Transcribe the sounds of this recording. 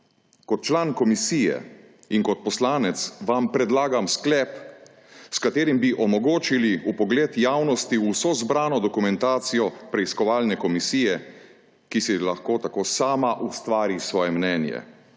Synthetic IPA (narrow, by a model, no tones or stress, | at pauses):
kɔt̪̚t͡ʃlaːnkɔmisiːjɛ̰ | iŋkɔt̪̚pɔslaːnɛt̪sʋampɾɛd̪laːɡamsklɛp | skat̪eːɾimbiʔɔmɔɡoːt͡ʃiliupɔɡleːt̪jaːwnɔst̪iusɔzbɾaːnɔd̪ɔkumɛnt̪aːt̪sijɔpɾɛiskɔʋaːlnɛkɔmisiːjɛ | kisilaxkoːt̪akoːsaːmaʔust̪ʋaːɾisʋɔːjɛmnɛːnjɛ̰